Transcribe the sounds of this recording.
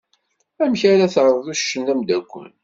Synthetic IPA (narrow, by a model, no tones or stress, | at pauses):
æmçaɾaθəɾɾˤəðæʃːənæmd̪ækʷːə̰n